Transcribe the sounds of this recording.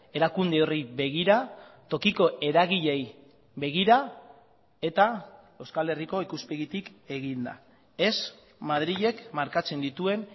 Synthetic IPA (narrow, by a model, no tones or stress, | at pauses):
e̞ɾakund̪eo̞riβe̞ɣ̞iɾa | t̪o̞kiko̞ʔe̞ɾaɣiʎe̞j | βe̞ɣ̞iɾa | e̞t̪a | e̞wskale̞riko̞ikuspe̞ɣit̪ike̞ɣind̪a̰ | e̞s | mað̞ɾiʎe̞kmaɾkat͡se̞nd̪it̪ue̞n